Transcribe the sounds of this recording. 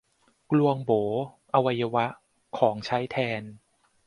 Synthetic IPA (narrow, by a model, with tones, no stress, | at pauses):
klu˧əŋboː˩˦ | ʔa˧wa˧jːa˧wa˦˥ʔ | kʰɔː˩˦ŋt͡ɕʰa˦˥jt̪ʰɛː˧n